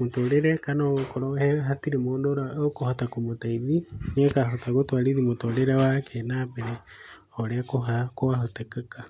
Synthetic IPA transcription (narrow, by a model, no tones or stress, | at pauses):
motoɾeɾekanookoɾoheɦatiɾemoːndoɾaokohatakomotaiðiɲekaɦotaɣotwaɾiðimotoɾeɾewakʰenabeɾe | oɾekoɦakoaɦotekaka